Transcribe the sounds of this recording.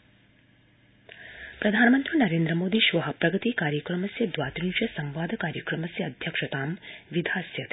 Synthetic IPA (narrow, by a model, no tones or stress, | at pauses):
pɾɐd̪ʱaːnmɐnt̪ɾinɐɾeːnd̪ɾəmoːd̪iʃʋɐɦɐpɾɐɡɐt̪ikaːɾjɐkɾɐmɐsjɐd̪ʋaːt̪ɾint͡ʃɐsɐmʋaːd̪ʱɐkaːɾjɐkɾɐmɐsjɐːd̪ʱjɐkʂɐt̪aːmʋid̪ʱaːsjɐt̪